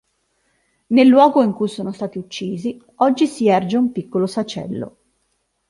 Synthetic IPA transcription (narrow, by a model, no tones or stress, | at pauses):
nelːwɔːɡoiŋkujsoːnost̪aːt̪iut͡ʃːiːzi | ɔd͡ʒːisiɛrd͡ʒeumpikːolosat͡ʃɛ̰lːo̰